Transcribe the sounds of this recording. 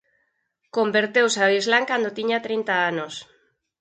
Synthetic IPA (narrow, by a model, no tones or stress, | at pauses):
kombeɾt̪ewsaβizlaŋkand̪ot̪iɲat̪ɾint̪aanos